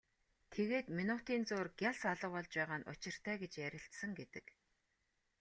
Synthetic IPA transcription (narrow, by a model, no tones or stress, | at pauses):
t̪ʰeɣeːt̪minʊt̪iːnt͡soːrɡʲjaɮsaɮə̆qɔɮt͡ɕpæːʁaːnʊ̰t͡ɕɪ̆r̥t̪ʰæːɡet͡ɕjæɾʲɪ̆ɬt̪sə̆ŋɡet̪ɘ̆k